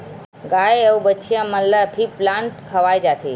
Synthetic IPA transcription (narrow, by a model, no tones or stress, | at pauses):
ɡajewbətːʃʰijaməlːapʰiplãɳʈkʰəʋajd͡ʒat̪ʰe